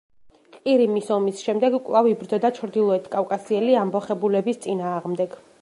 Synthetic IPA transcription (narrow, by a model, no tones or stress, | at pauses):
qʼiɾimisɔmisʃɛmd̪ɛɡkʼvlˠavibɾd̪zɔd̪at͡ʃʰɾd̪ilˠɔɛt̪ʰkʼafkʼasiɛliambɔχɛbulɛbist̪sʼinaːʁmd̪ɛɡ̥